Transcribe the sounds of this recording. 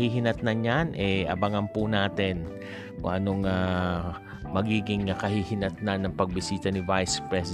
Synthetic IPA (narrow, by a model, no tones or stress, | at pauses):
hiɦɪnɐt̪̚nanɲjanʔɛʔɐ̰baŋɐmpʊnaːt̪ɪn | ko̰ŋʔɐnoŋaː | mɐɡiːɡɪŋakɐhiːhɪnɐt̪̚nanːɐŋpɐɡ̚bɪsiːt̪ɐnɪvajspɹɛs